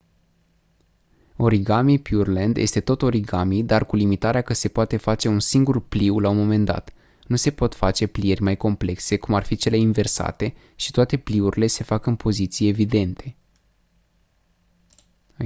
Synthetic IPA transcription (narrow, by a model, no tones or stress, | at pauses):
o̞ɾiɡamipjurlend̪je̞̰st̪e̞t̪o̞t̪o̞ɾiɡamid̪arkulimit̪aɾeakəse̞poat̪e̞fat͡ʃe̞unsiŋɡurpliwlawmo̞me̞nd̪a̰t̪ | nuse̞po̞t̪fat͡ʃe̞plije̞rʲmajko̞mple̞kse̞kumarfit͡ʃe̞le̞inve̞rsa̰t̪e̞ | ʃi̥t̪oat̪e̞pliuɾile̞se̞fakɨnpʰo̞zit̪sijeːvid̪e̞nt̪ʰe̞